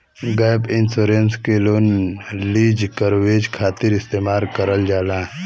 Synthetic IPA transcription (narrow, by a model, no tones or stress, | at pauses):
ɡaːbɪnsoːɾenskeloːnliːd͡ʒkəɾweːd͡ʒkʰaːt̪ɪɾɪst̪eːmaːlkəɾəld͡ʒaːlãː